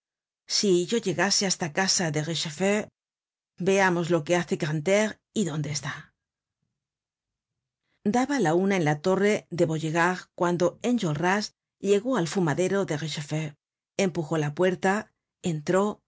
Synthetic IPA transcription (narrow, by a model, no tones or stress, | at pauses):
siʝo̞ʝe̞ɣase̞ast̪akasaðe̞ʁeʃefe | be̞amo̞zlo̞ke̞aθe̞kant̪eʁ | iðo̞nd̪e̞ːst̪a | d̪aβalaunae̞nlat̪o̞re̞ðe̞βo̞ʝeɣaʁkwand̪o̞e̞nd͡ʒolras | ʎe̞ɣo̞alfumaðe̞ɾo̞ðe̞ɣeʃefe | empuxo̞lapwe̞ɾt̪a | e̞nt̪ɾo̞